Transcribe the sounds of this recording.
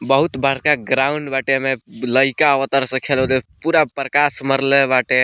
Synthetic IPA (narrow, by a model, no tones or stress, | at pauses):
bəɦut̪baɾkaɡɾauɳɖbaʈemeləjkaəʋət̪əɾsə̃kʰelɦod̪epuɾapɾəkasməɾlebaʈe